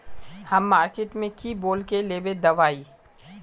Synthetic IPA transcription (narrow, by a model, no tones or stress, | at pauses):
hɐmːaːɾkeːʈmẽkiboːlkeleːbed̪ɐʋaːiː